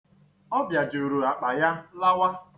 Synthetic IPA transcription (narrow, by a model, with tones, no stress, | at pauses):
ɔ˦bja˨d͡ʒu˨ɾu˨a˨k͡pa˨ja˦la˦wa˦